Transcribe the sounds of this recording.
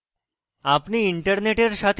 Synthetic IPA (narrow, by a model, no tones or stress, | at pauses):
apniːiɳʈəɾneʈeɾɕat̪ʰ